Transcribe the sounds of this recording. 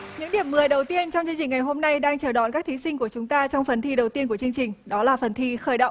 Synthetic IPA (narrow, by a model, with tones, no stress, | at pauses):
ɲɨ̰˧˥ŋɗi˧˩əmːmɨ˨˩əjɗə˨˩wt̪i˧ənt͡ɕɔ˧wt͡ɕɨ˧ŋt͡ɕï˨˩ŋ̟ŋa˨˩jɦo˧mna˧jɗaː˧ŋt͡ɕəː˨˩ɗa̰˧˨nka˦˥k̚t̪ʰi˨˦sï˧ŋ̟ku˧˩ət͡ɕʊ˨˦ŋ͡mt̪aː˧t͡ɕɔ˧wŋ͡mfə˨˩nt̪ʰi˧ɗə˨˩wt̪i˧ənku˧˩ət͡ɕi˧əŋt͡ɕï˨˩ŋ̟ɗɔ˨˦laː˨˩fə˨˩nt̪ʰi˧xəː˧˩jɗə̰˧˨